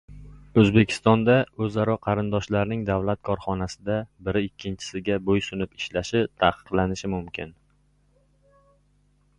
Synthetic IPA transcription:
ɵzbekʲʰɪ̥st̪ɒnd̪aɵzaɾɒqʰɑɾɪnd̪ɒʃlaɾnɪŋd̪avlat̪̚kʰɒɾχɒnasɪd̪abɪɾɪɪkʲʰːɪnt͡ʃʰɪ̥sɪɡʲabojsʊnɪpɪ̥ʃlaʃɪt̪ʰaqɨ̥qlˠanɪʃɪmʊmkʲʰɪn

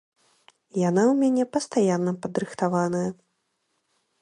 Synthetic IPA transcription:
jan̪awmʲanʲɛpɐst̪ajanːɐpɐd̪ɾɨxt̪avanɐjɐ

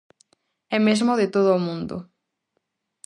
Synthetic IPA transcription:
ɛmezmoðɪt̪oðoːmũnd̪o̰

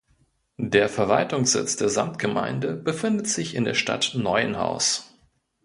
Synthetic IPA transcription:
deːɐfɛɐvaltʊŋsz̥ɪ̰t͡sd̥eːɐzamtɡ̥əma̰ɪndəbəfɪndətz̥ɪçɪndeːɐʃta̰tnɔʏənha̰ʊs

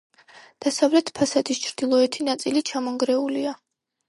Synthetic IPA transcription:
d̪̥asavlɛt̪ʰpʰasad̪ist͡ʃʰɾd̪̥ilˠɔɛt̪ʰinat̪sʼilit͡ʃʰamɔŋɡɾɛulia

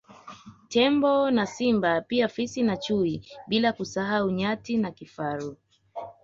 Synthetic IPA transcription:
tɛmbɔnasimbapiafisinat͡ʃuiɓilakusaɦauɲatinakifaɾu

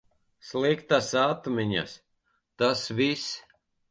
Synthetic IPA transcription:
slˠikt̪asat̪mʲiɲa̰s | t̪asvis

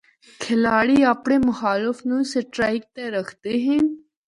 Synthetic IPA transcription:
kʰɪlaːɽiːapɳeːmʊxaːlɪfnũːseʈɾaɪk̚t̪eɾəxʰt̪eɦĩn

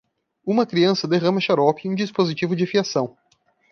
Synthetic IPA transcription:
ũmɐkɾiɐ̃sɐd̪eʁɐ̃mɐʃaɾɔpiũd͡ʒispozit͡ʃivʊd͡ʒɪfiasɐ̃w̃

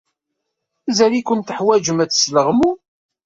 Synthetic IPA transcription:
zælikʊnt̪əħwæd͡ʒəmæt͡sːsləʁmu

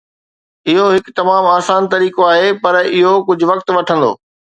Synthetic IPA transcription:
ɪɦoɦɪkt̪ɐmaːmaːsaːnt̪ɐɾiːkoaːɦepɐɾɪɦokʊd͡ʑʱʊʋɐk̚t̪ʋɐʈʰə̃n̆d̪o̰ː

